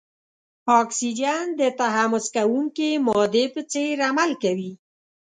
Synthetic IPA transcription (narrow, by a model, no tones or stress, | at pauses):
ɑksid͡ʒand̪ət̪aɦamʊskawuŋkemɔd̪epət͡seɾamalkawi